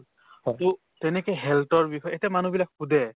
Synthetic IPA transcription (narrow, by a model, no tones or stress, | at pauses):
to | tɛnɛkɛjɦɛltɔɹbixɔjetɛmanubilak̚xudɛ